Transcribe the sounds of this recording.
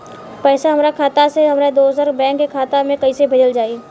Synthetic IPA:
pɛːsaɦɐmɾakʰaːt̪aseɦɐmɾad̪oːzəɾbɛ̃ːkːekʰaːt̪amẽkɐisebʱɐd͡ʒəld͡ʒaːiː

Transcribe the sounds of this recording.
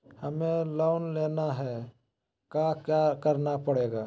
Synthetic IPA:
həmẽloːnleːnaɦɛ | kakjakəɾnapəɽeːɡaː

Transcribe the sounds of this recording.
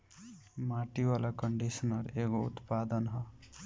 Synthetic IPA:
maʈiwalakʌɳɖisʌnʌɾekoṵt̪pad̪ʌnɦʌ

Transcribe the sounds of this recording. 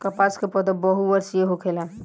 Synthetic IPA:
kəpaskepɔd̪əbəɦuəɾsijeɦokʰela

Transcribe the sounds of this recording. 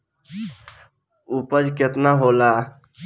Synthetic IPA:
upəd͡ʒket̪naɦola

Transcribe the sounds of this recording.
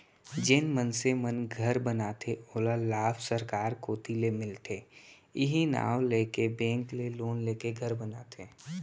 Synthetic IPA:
d͡ʒɪnmənsemənɡʱəɾbənaːt̪ʰeoːlalaːfʰsəɾkaːɾkoːt̪ilemɪlt̪ʰe | ɪɦina̰ːwleːkebẽːŋkleloːnleːkeɡʱəɾbənaːt̪ʰeː

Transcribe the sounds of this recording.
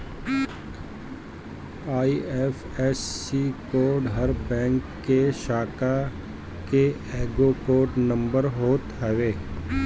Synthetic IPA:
aːiɛf | ɛːsiːkoːɾɖɦəɾbɛ̃ːŋkːeʃaːka | ke | ɛːɡokoːɾɖnə̃mbəɾɦoːt̪ɦɛʋeː

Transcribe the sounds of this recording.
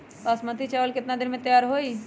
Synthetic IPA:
pasmət̪it͡ʃaːʋəlkɪt̪nad̪ɪɾmẽt̪əjaːɾɦoːiː

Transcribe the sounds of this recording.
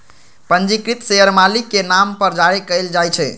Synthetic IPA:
pənd͡ʒikɾit̪seəɾmalikːenampəɾd͡ʒaɾikəɪld͡ʒajt͡ʃʰɛ

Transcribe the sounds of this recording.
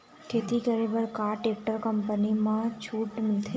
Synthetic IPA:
kʰet̪ikəɾiʋəɭkaʈek̚ʈəɾkəmpənimãt͡ʃʰuʈmɪlt̪ʰe

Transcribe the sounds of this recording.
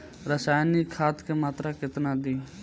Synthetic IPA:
ɾəsaːjnikʰaːt̪kemaːt̪ɾaːkɪt̪nãːd̪iː

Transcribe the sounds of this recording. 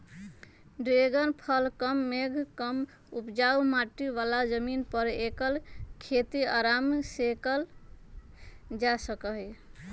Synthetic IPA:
ɖɾeɡənpʰəlkəmːeɡʱkəm | upd͡ʒaumaʈːiʋalad͡ʒəminpəɾekəlkʰet̪iaɾamsekəl | d͡ʒasəkəɦi

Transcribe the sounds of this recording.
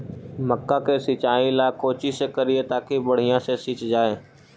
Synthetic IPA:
məkːakesit͡ʃaːilaːkoːt͡ʃisekɐɾiet̪aːkibɐɽ̤ijãsesiːt͡ʃd͡ʒaːeː

